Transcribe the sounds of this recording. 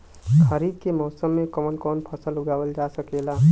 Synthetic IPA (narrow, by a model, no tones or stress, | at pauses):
kʰəɾiːd̪̚kemɔːsəmːẽkəmənkɔːnpʰəsəlʊɡaːwəld͡ʒasəkeːlaː